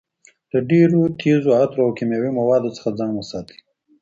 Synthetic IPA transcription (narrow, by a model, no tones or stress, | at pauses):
d̪̥əɖeɾot̪ʰezoat̪ɾoawkimjawimawɑd̪ot͡sə̥xad͡zɑ̃ŋɡnasɑt̪ʰi̥